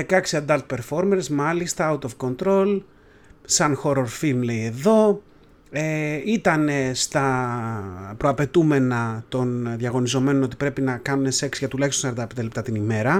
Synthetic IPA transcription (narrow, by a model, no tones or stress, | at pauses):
ekɐksiɐd̪ɐlt̪̚pe̞ɾfo̞ɾme̞ɾsmɐlist̪ɐɐut̪o̞fko̞nt̪ɾo̞l | sɐnxo̞ɾo̞ɾfimle̞ie̞ðo̞ | eit̪ɐne̞st̪ɐ | pɾo̞ɐpe̞t̪ume̞nɐt̪o̞nðʝɐɣo̞nizo̞me̞no̞no̞t̪i̥pɾe̞pinɐkɐnune̞se̞ksʝɐt̪ulɐçst̪oseɾd̪ɐpend̪elep̚t̪ɐt̪inime̞ɾɐ